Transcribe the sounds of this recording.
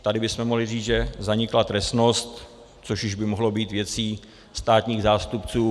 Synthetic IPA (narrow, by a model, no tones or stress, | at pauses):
t̪adɪbɪsmɛmoɦlɪriːd͡zʒɛzaɲɪklat̪ɾɛsno̞st̪ | t͡soʃjɪʒbɪmoɦlo̞biːt̪vjɛt͡siː | st̪aːt̪ɲiːɣzaːst̪upt͡suː